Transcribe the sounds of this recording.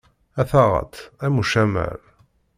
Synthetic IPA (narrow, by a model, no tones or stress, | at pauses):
æθɑʁə̰t̪æmuʃæmə̰ɾ